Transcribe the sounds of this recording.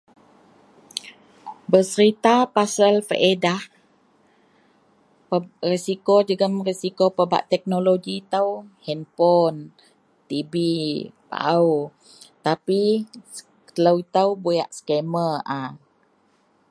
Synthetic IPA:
bəsəɾit̪apasəlfə̰ʔedah | risikod͡ʒəɡəmrisikopəba̰ʔt̪ɛk̚noloɡit̪əwhɛnpɔn | t̪ibipa̰ʔaw | t̪api | t̪ələwit̪əwboja̰ʔsə̥kɛməʔa

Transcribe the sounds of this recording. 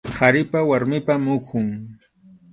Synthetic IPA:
kaɾɪpawaɾmɪpamʊkʰʊŋ

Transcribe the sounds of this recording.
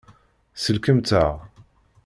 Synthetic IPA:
səlkəmt̪aʁ

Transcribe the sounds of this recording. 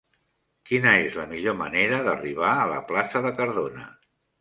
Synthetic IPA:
kinəezləmiʎomə̰neɾəðəriβ̞aələ̰plasəðəkəɾðonə̰

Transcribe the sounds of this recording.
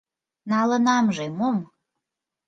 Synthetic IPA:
nɑlə̆nɑmʒemom

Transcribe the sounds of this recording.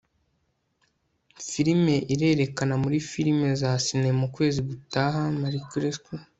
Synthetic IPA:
fiɾime̞ʔiɾe̞ːɾe̞kanamuɾifiɾime̞zasinemukwe̞ːziɡutaːɦamaɾikɾesku

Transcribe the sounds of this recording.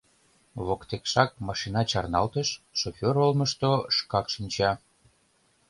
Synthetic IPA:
βokt̪ekʃɑk̚mɑʃinɑt͡ɕɑrnɑlt̪əʃːofʲoɾolməʃt̪oʃkɑkʃinʲt͡ɕɑ

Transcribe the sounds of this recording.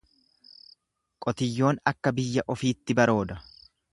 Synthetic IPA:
kʼɔt̪ɪjːo̞ːnɐkːɐbɪjːɐʔɔfiːt̪ːɪbɐɾo̞ːd̪ɐ

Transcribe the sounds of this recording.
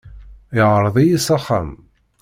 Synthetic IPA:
ɪʕɾˤəðˤijisɑχːa̰m

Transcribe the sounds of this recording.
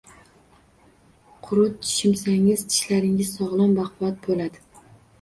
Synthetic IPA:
qʰʊɾʊt̪̚t͡ʃʰɪ̥ʃɪmsaŋɪzt͡ʃʰɪ̥ʃlaɾɪŋɪzsɒʁlˠɒmbɑqvɒt̪̚bolad̪ɪ

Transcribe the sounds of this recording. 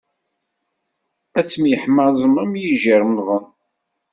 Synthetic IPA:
æt͡sːəmjəħmɑzˤəmæmjiʒəɾmðən

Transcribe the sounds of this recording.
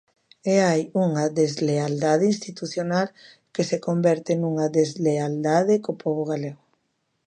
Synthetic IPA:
eajuŋaðezleald̪aðeĩnst̪it̪uθjonal | kesekombɛɾt̪ɪnuŋaðezleald̪að̞ekopɔβoɣ̞aleɣʊ

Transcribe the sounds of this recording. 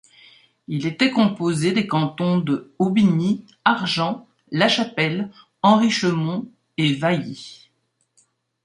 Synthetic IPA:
ilet̪ɛkɔ̃pozed̪ekɑ̃t̪ɔ̃d̪əobini | aʁʒɑ̃ː | aʃapɛl | ɑ̃ʁiʃəmɔ̃ | evaji

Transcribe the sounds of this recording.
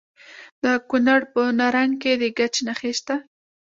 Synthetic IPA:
d̪akunaɽpənaɾaŋɡked̪əɡat͡ʃenaxeʃt̪a

